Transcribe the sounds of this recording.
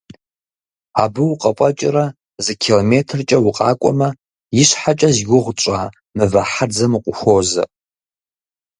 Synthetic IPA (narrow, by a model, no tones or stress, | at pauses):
abɨwuqʼɐpʷʼɐt͡ʃʼɪrɐ | zɨkʰilometʰɨrt͡ʃʼɐwʊqʼa̰ːkʷʼɔ̰mɐ | jɪɕħat͡ʃʼɐzɡʷʊʁʷt͡ʃʷʼaː | mɨvɐħad͡zɐmɨqʷʼʊxʷoːzɐ̰